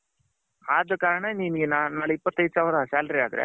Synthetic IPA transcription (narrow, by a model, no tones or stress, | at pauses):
aːd̪ɐkaːɾɐɳɐninɐɡenanaːɭuipːɐt̪ːɐjd̪saːʋɾɐsaːlɐɾiaːd̪ɾḛ